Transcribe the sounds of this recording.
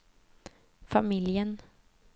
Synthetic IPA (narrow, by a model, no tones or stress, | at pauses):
famɪljən